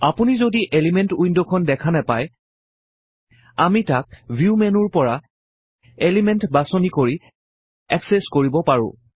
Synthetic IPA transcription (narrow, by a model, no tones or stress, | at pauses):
apunizodiʔelimentujndɔkʰɔndɛkʰanɛpaj | amitak̚bʱjumɛnuɹpɔɹa | elimɛntbasɔnikoɹi | ɛkseskoɹibɔpaɹʊ̰̃